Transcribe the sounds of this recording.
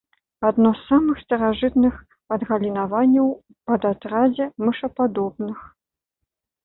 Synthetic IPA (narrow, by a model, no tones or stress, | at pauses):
ad̪nɔsːamɨxst̪ɐɾaʐɨt̪nɨx | ɐd̪ɣɐlʲinavanʲːɐw | pɐd̪at̪ɾad͡zʲɛmɨʂɐpad̪ɔbnɨx